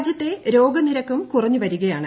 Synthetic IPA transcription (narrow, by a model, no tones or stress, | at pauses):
d͡ʑjɐt̪ːe̞ɾo̞ːɡɐniɾɐkːumkurɐɲːɨʋɐɾuɣɐjaːɳɨ